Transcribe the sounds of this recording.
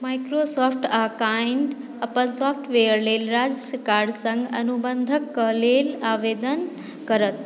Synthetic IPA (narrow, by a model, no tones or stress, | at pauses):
majkɾosɔːpʰʈakaiɳɖ | əpənsɔːpʰʈʋejəɾlelɾad͡ʒəskaɾɖsə̃ŋɡə̰nubənd̪ʱəkːəlelaːʋed̪ən | kəɾət̪